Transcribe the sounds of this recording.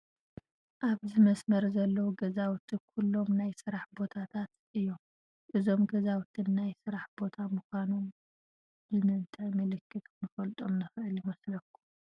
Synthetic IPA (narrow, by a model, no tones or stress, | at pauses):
ʔaβzɨmɐsmɐɾzɐlːɐwuɡɐzawt̪ʰɨkʰulːo̞mnajsɨɾaħbo̞t̪ʰat̪ʰat̪ʔɨjːo̞m | ʔɨzo̞mɡɐzawt̪ʰɨnːajsɨɾaħbo̞t̪ʰamuxʷanom | zɨmɨnt̪ʼajmɨlɨkʰːɨt̪nɨfɐlt̪ʼo̞mnɨxʔɨljɪmɐslɐkʰːu̥